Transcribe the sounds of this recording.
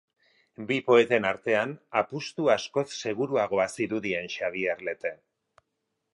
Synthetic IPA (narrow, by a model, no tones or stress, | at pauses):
bipo̞e̞t̪e̞naɾt̪e̞anapust̪uasko̞sse̞ɣ̞uɾuaɣ̞o̞asiɾuðie̞nʃaβ̞ieɾle̞t̪e̞